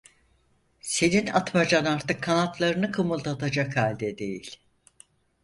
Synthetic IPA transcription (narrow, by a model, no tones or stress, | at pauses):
se̞nina̰t̪mad͡ʒanaɾt̪ɯkʰːanat̪lˠaɾɯnɯkʰɯmɯlˠt̪ʰat̪ʰad͡ʒakhalʲd̪ɛd̪e̞̰jḭlʲ